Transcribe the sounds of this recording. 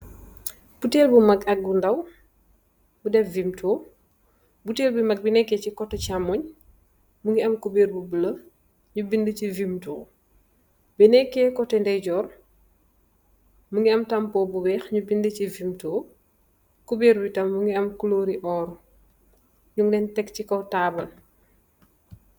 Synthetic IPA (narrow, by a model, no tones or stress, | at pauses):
b̥uteːlbumɐkɐk̚bundɐw | budɛfvimtɔː | buteːlbumɐɡ̚binɛkːɛcikɔtːɛcamɔɲ | muŋɡiɐmkubeːɾbubəlɐ | ɲubindəcivimtoː | binɛkːeːkɔtːɛndɛjɟɔːr | muŋɡiɐmtɐmpɔːbubɛːxɲubindəcivimtoː | kubiːɾbitɐmːuŋɡiɐmkuloːɾiʔɔːɾu | ɲuŋdɛntɛkcikɐwtaːbɐl